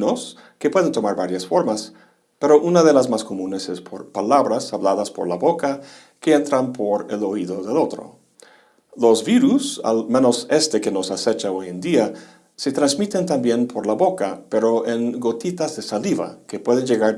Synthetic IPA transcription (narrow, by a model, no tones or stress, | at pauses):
nos | ke̞pwe̞ðent̪o̞maɾβaɾjasfo̞ɾmas | pe̞ɾo̞ʔunaðe̞lazmasko̞munesespʰo̰ɾpalaβɾasaβlaðaspo̞̰ɾlaβo̞ka | ke̞ent̪ɾanpʰo̞ɾḛlo̞iðo̞ðe̞lo̞t̪ɾo̰ | lo̞zβiɾusa̰lme̞no̞se̞st̪e̞ke̞no̞sase̞t͡ʃao̞jend̪ia | se̞t̪ɾanzmit̪e̞nt̪ambje̞npʰo̞ɾlaβo̞kape̞ɾo̞ʔeŋɡo̞t̪it̪azðesaliβa̰ke̞pwe̞ðend͡ʒe̞ɣaɾ